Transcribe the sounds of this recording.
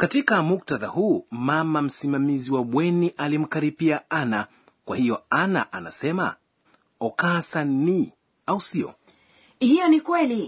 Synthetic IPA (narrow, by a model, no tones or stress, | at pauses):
katikamuk̚taðahuːmamam̩simamiziwaɓwɛniʔalim̩kaɾipiaana | kwahiɔana̰ʔana̰sɛma̰ | ɔkasani | ausiɔ̰ | hijɔnikwɛli